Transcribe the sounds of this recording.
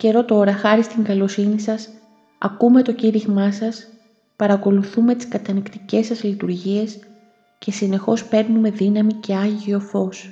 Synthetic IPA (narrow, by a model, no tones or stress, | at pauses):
ce̞ɾo̞t̪o̞ɾɐxɐɾist̪iŋɡɐlo̞sinisɐs | ɐ̰kume̞t̪o̞ciɾiɣmɐsɐs | pɐɾɐko̞luθume̞t̪i̥skɐt̪ɐnikt̪i̥ce̞sɐzlit̪uɾʝie̞s | ce̞sine̞xo̞spe̞ɾnume̞ðinɐmice̞ɐʝio̞fo̞s